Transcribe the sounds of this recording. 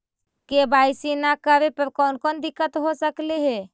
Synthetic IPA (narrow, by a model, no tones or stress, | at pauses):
kebaːɪsinakəɾepəɾkɔːnkɔnd̪ɪkːət̪ɦosəkleɦɛː